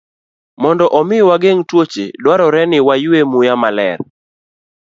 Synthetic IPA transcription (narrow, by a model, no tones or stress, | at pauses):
mɔndɔʔɔmɪwaɡeŋtwot͡ʃḛdwaɾɔɾɛnɪwajuemujamalɛ̰ɾ